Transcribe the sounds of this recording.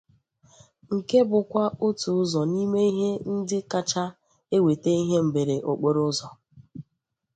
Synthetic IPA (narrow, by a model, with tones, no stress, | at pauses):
ŋ̩˨ke˦bʊ˨kʷa˦o˦tu˨ʊ˦zɔ˨ni˦me˦i˦ɦe˦n̩˦dɪ˦ka˦t͡ʃa˦ | e˦we˨te˦i˦ɦe˦m̩˨be˨ɾe˨ʔo˨k͡po˦ɾʊ˦zɔ˨